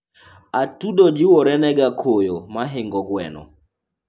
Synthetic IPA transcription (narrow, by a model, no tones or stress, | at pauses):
atudɔd͡ʒɪwɔɾɛnɛɡakʰojomaɦɪŋɡɔɡwɛ̰nɔ̰